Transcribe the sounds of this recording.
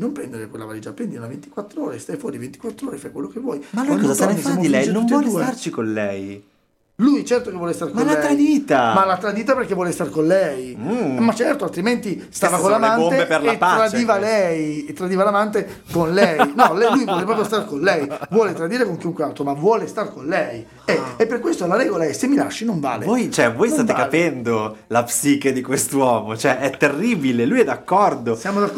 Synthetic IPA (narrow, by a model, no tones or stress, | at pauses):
nompɾɛnd̪eɾekwelːa̰valeːd͡ʒapɾɛnd̪innavent̪i̥kwat̪ːɾoːɾest̪ajfwɔːɾivent̪ikwat̪ːɾoːɾefajkwelːokevːwɔjmalokɔzast̪aeismilɛnuvːwɔdlsuːeart͡ʃikonlɛ̰j | lujt͡ʃɛrt̪okevːɔːlest̪aɾkmalat̪ɾad̪iːt̪amalat̪ːɾad̪iːt̪aperk̟evwɔːlest̪arkonlɛjmːat͡ʃɛrt̪oalt̪ɾiment̪ist̪aːvakollamanomt̪eeperlap̪ːɾad̪iːvalɛjet̪ːɾad̪iːvalamant̪̬e | konlɛnɔlɛjlujvwɔːlep̬ɾɔːpɾjost̪arkonlɛjvwɔːlet̪ɾad̪iːɾekoŋk̟iuŋkwealt̪ɾomavwɔːlest̪arkonlɛj | ɛepːerkːwest̪olaɾɛːɡolaɛsemːila̰ʃːinoɱva̰ːlḛvojt͡ʃoɛvojst̪aːt̪ekapɛnd̪olapsiːked̪ikwest̪wɔːmot͡ʃoɛʔɛt̪ːerːibilelujɛd̪ːakːɔrd̪ossjaːmod̪ak